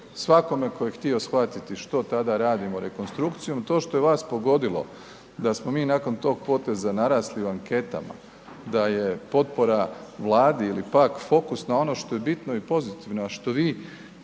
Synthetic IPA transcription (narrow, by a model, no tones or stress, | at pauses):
sʋako̞me̞kojext̪io̞sxʋat̪it̪iʃt̪o̞t̪ad̪aɾaːd̪imo̞ɾe̞ko̞nst̪ɾukt̪sijo̞mt̪o̞ːʃt̪o̞jeʋaːspo̞ɡo̞d̪ilˠo̞̰ | d̪asmo̞miːnako̞nt̪o̞ːɡ̚po̞t̪e̞zanaɾaːsliuaŋke̞t̪a̰ma̰ | d̪aje̞po̞t̪po̞ɾaʋlˠaːd̪iilipakfo̞kusnao̞no̞ʃt̪o̞je̞bit̪no̞ipo̞zit̪iʋnoaʃt̪o̞ʋiː